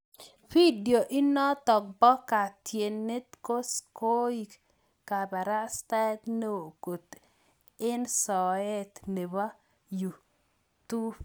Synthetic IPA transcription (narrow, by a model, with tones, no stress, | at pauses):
fi˦di˨o˨ʔɪ˦nɔ˦t̪ɔ˨k̚bɔ˦ka˨tje˨nːe˦t̪ko˦sko˦i˦k | ka˨ba˨ɾa˦st̪a˦t̪no˦˨ko˨t̪ | ɪ˦nsɔ˨e˦t̪ne˨ba˦ | ju˨ | t̪u˦b